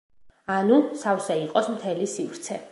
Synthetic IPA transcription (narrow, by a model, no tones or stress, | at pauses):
anusafsɛiqʼɔsmt̪ʰɛlisivɾt̪sʰɛ